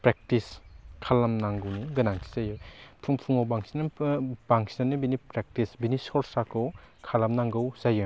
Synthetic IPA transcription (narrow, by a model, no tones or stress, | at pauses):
pɾek̚tiskʰalamnaŋɡɯwniɡɯnaŋsʰi̥zajɔpʰuŋpʰuŋawbaŋsnbaŋsanːibinipɾek̚tisbinisɔɾsakɯw | kʰalamnaŋɡɯwzajɯ